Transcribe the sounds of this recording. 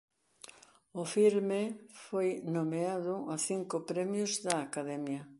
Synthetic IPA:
ʊfilmefojnomeaðʊaθiŋkʊpɾɛmjʊzðɐːkaðɛmjɐ

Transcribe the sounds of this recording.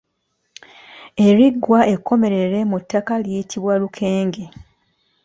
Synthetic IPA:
e̞ɾiɡwae̞kʰːo̞me̞ɾe̞ɾe̞mutːakalijitʰiβwalukʰe̞ːŋɡe̞

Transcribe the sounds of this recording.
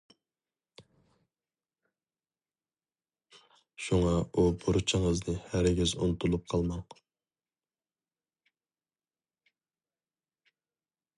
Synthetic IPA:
ʃuŋɑubuɾut͡ʃʰəŋəznɨhæɾɡʲizṵnut̪ʰulˠup̚qʰɑlˠmɑŋ

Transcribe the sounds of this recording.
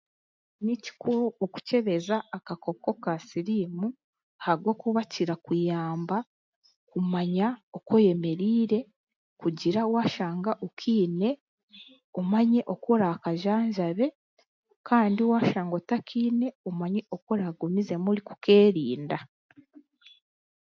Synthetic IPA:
nici̥kooku̥ce̞βe̞zaːkako̞ko̞kasiɾiːmu | haɾɡwokuβaciɾakujaːmba | kumaɲaokoje̞me̞ɾiːɾe̞ | kuɟiɾawaːʃaːŋɡaʔokʰiːne̞ | umaɲe̞ʔo̞koɾakaʒaːɲʒaβe̞ | kaːndiwaːʃaːŋɡo̞takʰiːne̞umaɲe̞okoɾaɡumize̞muliku̥ke̞ːɾiːnda

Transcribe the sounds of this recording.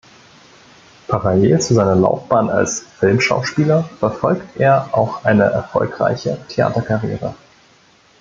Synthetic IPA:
pʰaʁaleːlt͡suzaɪnɐla̰ʊfb̥aːna̰lsfɪlmʃa̰ʊʃpiːlɐfɛɐfɔlktʔeːɐʔaʊxʔaɪnəʔɛɐfɔ̰lkʁ̥a̰ɪçətʰea̰ːtɐkʰaʁjḛːʁə

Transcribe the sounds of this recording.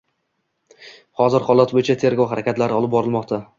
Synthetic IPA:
hɒzɪɾχɒlˠat̪̚bojɪt͡ʃʰat̪ʰe̞ɾɡowɦaɾʔakʲat̪laɾɪɒlˠɪp̚bɒɾɪlˠmɒqt̪ʰa

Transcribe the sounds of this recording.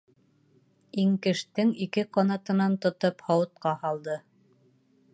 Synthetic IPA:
iŋkɘ̆ʃt̪ɘŋikɘqɑnɑt̪ɤ̆nɑnt̪ŏt̪ophɑwɤ̆t̪̚qɑhɑlˠd̪ɤ

